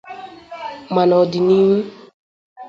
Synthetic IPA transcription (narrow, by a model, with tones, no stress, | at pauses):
ma˨nɔ˨di˨ni˦m̩˦